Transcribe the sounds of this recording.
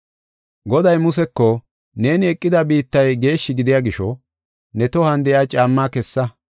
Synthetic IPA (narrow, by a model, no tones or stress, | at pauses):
ɡɔd̪ɐjmʊsɛkːɔ | ne̞ːnɪɛkʼːɪd̪ɐbiːt̪ːɐjɡe̞ːʃːɪɡɪd̪ɪjaːɡɪʃɔ | nɛt̪ɔhɐnd̪ɛjaːt͡ʃʼaːmːaːkɛsːɐ